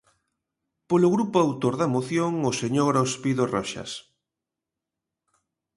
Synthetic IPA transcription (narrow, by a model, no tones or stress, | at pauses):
polʊɣɾupʊawt̪oɾðaemoθjoŋʊseɲoɾaospiðorɔʃa̰s